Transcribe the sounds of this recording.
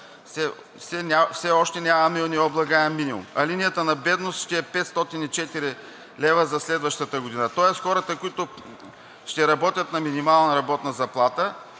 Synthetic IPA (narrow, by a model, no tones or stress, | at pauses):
sɛ | fsɛnʲafsɛɔʃt̪ɛnʲamɐmɛnɛɔblˠɐɡaɛmmːinimṵmɐlinijət̪ənɐbɛd̪nost̪ʃt̪ɛɛpɛt̪st̪ɔt̪init͡ʃɛt̪iɾi | lɛvəzɐslɛd̪vəʃt̪ət̪əɡʊd̪inət̪ɔɛst̪xɔɾət̪əkʊit̪ʊ | ʃt̪ɛɾɐbɔt̪ʲət̪nɐminimalˠnɐɾɐbɔt̪nɐzɐplˠat̪ə